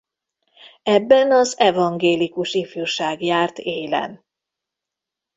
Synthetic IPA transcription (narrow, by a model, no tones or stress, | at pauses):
ɛbːɛnɒzɛvɒŋɡeːlikuʃifyːrʃaːɡjaːrt̪eːlɛ̰n